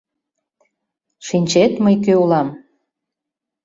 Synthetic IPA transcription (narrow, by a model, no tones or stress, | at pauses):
ʃinʲt͡ɕet̪məjkøulɑm